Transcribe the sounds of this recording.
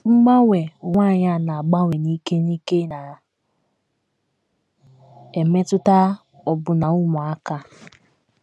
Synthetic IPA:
ŋ͡m̩˦ɡ͡ba˦wʷe˨ŋʷa˦˨ɲa˦˨na˨a˨ɡ͡ba˦wʷe˨ni˦ke˦ni˦ke˦na˨ | e˨me˦tʊ˦ta˦ | ɔ˨bʊ˨na˨ʊ˦mʊ˨a˦ka˦

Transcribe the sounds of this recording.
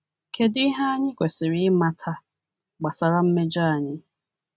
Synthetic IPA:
kʰe˨dʊ˦i˦ɦa˦a˦ɲɪ˦kʷe˨sɪ˨ɾɪ˦ma˦tʰa˦ | ɡ͡ba˨sa˨ɾa˦m̩˦me˦d͡ʒa˦a˨ɲɪ˦

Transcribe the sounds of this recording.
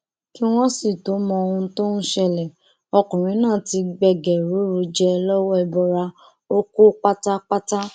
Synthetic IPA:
ki˦w̃ɔ̃˦si˦˨to˨˦mɔ̃˧o˧ũ˧˦to˦n̩˦ʃɛ˧lɛ˨ | ɔ˧kũ˨ɾ̃ĩ˨˦nãː˦˨ti˧ɡ͡bɛ˧ɡɛ˨ɾu˨˦ɾu˨˦d͡ʒɛ˧lɔ˦wɔ˦ɛ˧bɔ˧ɾa˧ | o˦ko˦k͡pa˦ta˦k͡pa˦ta˦

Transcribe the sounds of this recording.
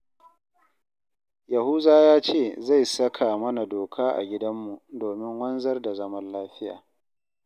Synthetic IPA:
jɐ˨hu˦zaː˦jaː˦t͡ʃeː˦˨za˦˨jsɐ˦kʰaː˨mɐ˦na˨doː˨kʰaː˦ʔa̰˨ɡʲɪ˦dɐ˦mːu˨doː˨mɪ˦ŋwɐ˦nzɐ˦rda˨zɐ˦mɐ˦nlaː˦ɸɪ˦ja̰ː˨

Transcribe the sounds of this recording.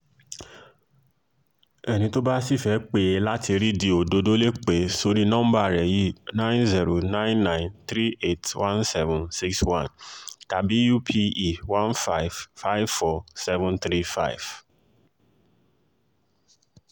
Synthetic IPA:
ɛ˨nĩ˧to˦ba˦si˦˨fɛ˨˦k͡pe˨˧la˦tʰi˧ɾi˦di˧o˨do˧do˦le˦k͡pe˨so˧ɾi˦nɔ̃˦m̩̃˦ba˦˨ɾɛ˨ji˦nã˦nzi˦ɾo˨nã˦j̃nːã˦nt̪ɾi˦e˦˨twã˦nsɛ˦vũ˨nsi˦kswã˦nta˨bi˨˦ju˦pʰi˧i˨wã˦nfa˦jvfa˦jvfɔ˧sɛ˦vũ˦nt̪ɾi˦fa̰˦jv̥

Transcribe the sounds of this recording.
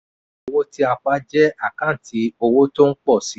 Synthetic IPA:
o˧wo˦ti˦a˧k͡pa˧˦d͡ʒɛ˦a˦˨kã˨˦n̩˨ti˨˧˦o˧wo˦to˦ŋ̩˦k͡pɔ˦˨si˨˦

